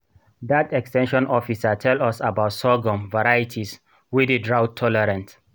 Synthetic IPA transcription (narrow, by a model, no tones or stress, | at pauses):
datɛkstɛ̃nʃɔ̃nʔɔfisatʰɛlɔsabaʊtsɔɡɔ̃mvaɹajitʰis | widedɹawtʰːɔlɛɾãnt